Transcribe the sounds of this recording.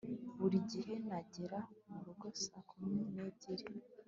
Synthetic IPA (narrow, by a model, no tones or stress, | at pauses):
βuɾiɟihe̞naɟiɾamuɾuɡosakʰumineːɟeɾi